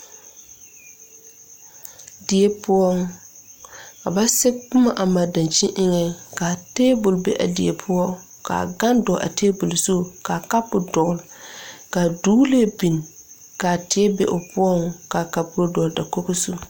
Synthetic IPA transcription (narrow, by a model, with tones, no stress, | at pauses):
dɪ˨e˦pʊ˦ɔ˦ŋ˦ | a˨ba˦sɪ˦k͡pʊ˦ma˨ʔa˨ma˨da˨nt͡ʃi˦ʔɪ˦ŋɛ˨ka˨teː˦bʊ˨lbḛ˦ʔa̰˨dɪ˨e˨pʰʊ˦ɔ˦ | ka̰˨ɡa˦ndɔ˨ʔa̰˨teː˦bʊ˨lso˦˨ka˨ka˦pʊ˨dɔ˨lka˨duː˦le˦˨bi˨n˨ | ka˨tɪ˨˦ɛ˦bḛ˨ʔʊ˨pʊ˦ɔ˦ŋ˨ka˨ka˨pʊ˦o˦dɔ˨lda˨ko˦ko˦su˦